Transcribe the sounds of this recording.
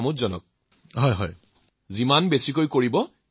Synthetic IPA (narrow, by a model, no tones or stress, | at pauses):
mutzɔnɔ̰k̚ | ɦɔjɦɔj | zimanbesikojkoɹibɔ